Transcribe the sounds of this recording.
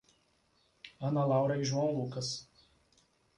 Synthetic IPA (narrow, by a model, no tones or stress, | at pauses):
ɐnɐlˠɑˑʊɾɐɪʒʲɔnlˠuːkɐs